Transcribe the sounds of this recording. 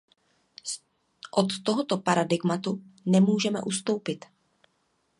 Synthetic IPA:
ʔot̪ːoɦot̪opaɾadɪɡmat̪unɛmuːʒɛmɛ̰ʔust̪o̞wpɪt̪

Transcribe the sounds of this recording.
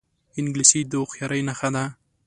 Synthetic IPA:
ɪnɡlisid̪oxjaɾajnaxad̪a

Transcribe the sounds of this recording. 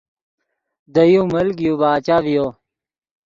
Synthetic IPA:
d̪ɐjũmɐlɡijubaːt͡ɕaːvijo

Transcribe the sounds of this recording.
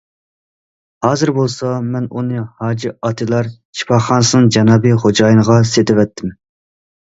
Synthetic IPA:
hɑːzɨɾbolˠsɑmɛnunɨhɑːd͡ʒiɑt̪ʰɨlˠɑɾt͡ʃʰi̥pʰɑχɑnsɨnɨŋd͡ʒɑnɑbɨχod͡ʒɑːjinəʁɑset̪ʰɪvɛt̪ʰːɪm

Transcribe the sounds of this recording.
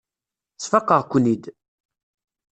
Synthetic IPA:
t͡sːfəqːəʁkʷːnid̪

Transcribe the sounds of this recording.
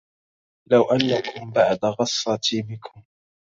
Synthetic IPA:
lawʔanːakʊmbaʕd̪ɣɑsˤːɑt̪ʰiːmɪkʰʊm

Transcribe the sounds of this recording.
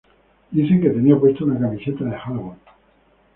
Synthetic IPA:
iseket̪e̞niap̬we̞st̪ounakamise̞t̪aðexalɣo

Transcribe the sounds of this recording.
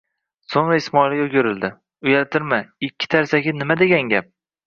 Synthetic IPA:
soŋɾaɪsmɒɪlɪɡʲoɡʲʊɾɪld̪ɪ | ʊjalt̪ʰɪɾmaɪkʲʰːɪ̥t̪ʰaɾsaɡʲɪnɪmad̪eɡʲaŋɡʲap̚

